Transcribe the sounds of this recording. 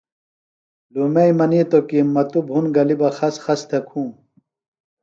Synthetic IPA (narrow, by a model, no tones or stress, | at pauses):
lumeimɐniːt̪okimːɐt̪ubʱunɡɐlibɐxɐsxɐst̪ʰekʰũː